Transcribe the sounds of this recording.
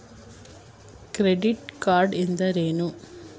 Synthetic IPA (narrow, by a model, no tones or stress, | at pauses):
kɾeɖɪʈkaːɾɖɛnd̪ɐɾeːnu